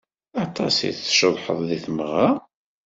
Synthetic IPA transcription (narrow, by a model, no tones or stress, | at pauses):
ɑt̪ˤɑsḭθʃəðˤħə̰ðˤðiθmʁa